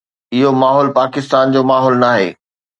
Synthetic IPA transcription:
ɪɦomaːɦɔːlpaːkɪst̪aːnd͡ʑoːmaːɦɔːlnaːɦḛː

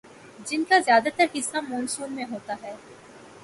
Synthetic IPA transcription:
d͡ʒɪnkazjaːd̪at̪ɐɾɦɪsːamõːnsuːnmẽɦoːt̪aɦɛː

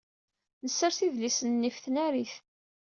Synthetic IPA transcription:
nəsːəɾθiðlisənːifθnæɾiθ

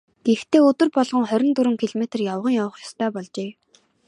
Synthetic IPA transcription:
ɡ̥ext̪ʰeːɵt̪ɵ̆rpɔɮʁɞ̆ŋχœɾʲɪ̆nt̪uɾɘ̆ŋkʰiɮɔmet̪̆rjaw̆ʁə̆ŋjawə̆χjɔst̪ʰœːpɔɮt͡ɕeː

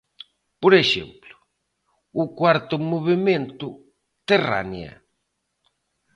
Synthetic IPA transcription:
poɾeʃḛmplʊ | ʊkwaɾt̪ʊmoβemẽnt̪ʊ | t̪era̰njɐ̰

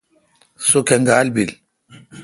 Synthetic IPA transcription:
sokɛŋɡaːlbil

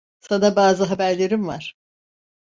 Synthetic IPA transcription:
sanabaːzɯɦabæɾlʲeɾimva̰ɾ̥

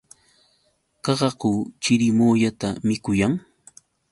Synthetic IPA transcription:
kɑɢɑɢut͡ʃɪɾɪmoːʎat̪amɪkʊjaŋ

